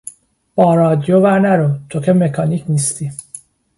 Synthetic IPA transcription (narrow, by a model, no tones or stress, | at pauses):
b̥ɒːɾɒːd̪ijovæɾnæɾot̪ʰo̞cʰemekʰɒniːcʰniːst̪i